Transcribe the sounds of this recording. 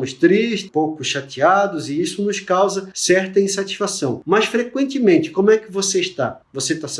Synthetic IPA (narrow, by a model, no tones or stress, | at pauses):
mʊst̪ɾiʃpowkʊʃat͡ʃiad̪ʊzɪisʊnʊskawzɐsɛɾt̪ɐĩsat͡ʃi̥sfasɐ̃w̃mɐsfɾekwẽnt̪ɪmẽnt͡ʃɪ̥kõmʊɛkɪvoseɪʃt̪avoset̪as